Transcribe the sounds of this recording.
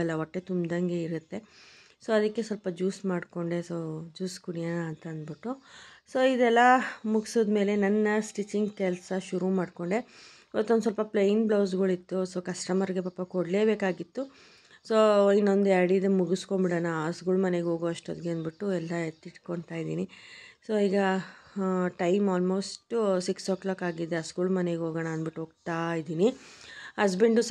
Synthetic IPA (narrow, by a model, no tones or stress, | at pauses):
ɛlːɐɔʈːe̞t̪umd̪ɐŋɡe̞iɾut̪ːe̞soːɐd̪ɐkːe̞sɐlpɐd͡ʒuːsmaːɖko̞ɳɖe̞soːd͡ʒuːskuɽijanɐːnt̪ɐɐnd̪biʈːusoːid̪ɛlːɐmuɡsoːd̪me̞ːle̞nɐnːɐsʈit͡ʃːiŋɡkɛlɐsɐʃuɾumaːɽko̞ɳɖe̞ | ʋɐt̪ːond̪us̬ɐlpɐplɐjinbloːs̬ɡɐɭit̪ːusoːkɐsʈɐmɐɾɡe̞papːɐkoɽle̞ːbeːkaːɡit̪ːu | soːinːond̪uaɾɽid̪emuɡuskombiɽɐnɐːskuːlmɐne̞ɡo̞ːɡoːɐʂʈod̪ɡeɐnbiʈːuɛlːɐet̪ːiʈkoɳt̪aːjd̪iːniso̞ːiːɡɐ | ʈɐjmaːlmo̞ːsʈsiksoːklaːkaːɡid̪ːeɐskuːlmɐneɡeɦo̞ːɡɐnaːnbiʈːuoːɡ̚t̪ajid̪iːnihɐs̬biɳɖus